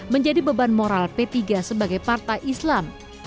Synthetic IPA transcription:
məɲd͡ʒadibəbanmoɾalpet̪iɡasəbaɡajpart̪ajʔislam

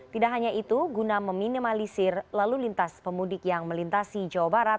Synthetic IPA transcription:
t̪idaʔɦaɲaʔit̪uɡunaməminimalisɪrlalulint̪aspəmudɪkjaŋməlint̪asid͡ʒawabaɾat̪̚

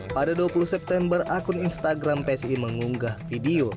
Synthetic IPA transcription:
padaduapuluhsɛp̚t̪ɛmbərʔakʊninst̪aɡɾampeɛsiməŋuŋɡahfidio

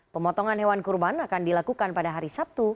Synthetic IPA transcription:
pəmɔt̪ɔŋanɦewankurbanakandilakukanpadaɦaɾisap̚t̪u

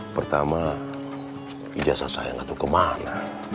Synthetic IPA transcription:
pərt̪ama | id͡ʒasasa̰jaŋat̪ukəmala

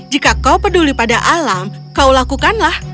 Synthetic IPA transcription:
d͡ʒikakaupədulipadaʔalam | kaulakukanlah

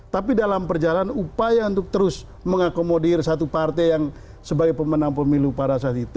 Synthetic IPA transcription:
t̪apidalampərd͡ʒalanupajaunt̪ʊk̚t̪əɾʊs | məŋakomodirsat̪upart̪ɛjaŋ | səbaɡajpəmənaŋpəmilupaɾasat̪it̪

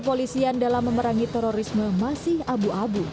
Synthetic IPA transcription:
polisiandalamːəməɾaŋit̪ɛɾoɾisməmasihabuʔabu

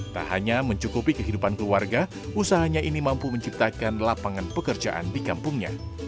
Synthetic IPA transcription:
t̪a̰ɦa̰ɲaməɲt͡ʃukupikəɦidupankluarɡa | usaɦaɲaʔinimampuməɲt͡ʃip̚t̪akanlapaŋanpəkərd͡ʒaʔa̰ndikampuŋɲa̰

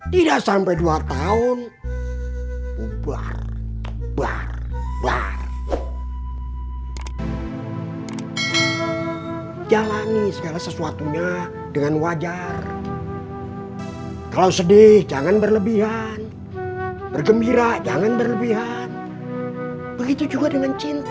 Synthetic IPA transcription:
t̪idaʔsampajduat̪aʊn | uba̰r | ba̰r | ba̰r | d͡ʒalanisəɡalasəsuat̪uɲa | dəŋanwad͡ʒar | kalawsədɪhd͡ʒaŋanbərləbiɦan | b̥ərɡəmbiɾad͡ʒaŋanbərləbiɦan | bəɡit̪ud͡ʒuɡadəŋant͡ʃint̪

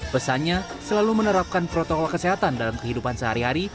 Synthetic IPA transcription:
b̥əsaɲasəlalumənəɾap̚kanpɾot̪okɔlkəseɦat̪andalamkəɦidupansəɦaɾiɦaɾi

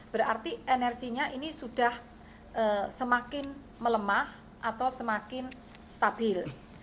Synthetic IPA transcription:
b̥əɾart̪iʔenɛrsiɲaʔinisuɖ̥a̤h | ʔəsəmakɪn | mələmah | ʔat̪awsəmakɪn | st̪ab̥ɪl

